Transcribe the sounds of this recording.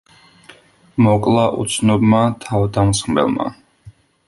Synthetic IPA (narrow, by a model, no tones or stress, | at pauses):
mɔkʼlˠaʔut̪sʰnɔbmat̪ʰavd̪amsχmɛ̰lˠma̰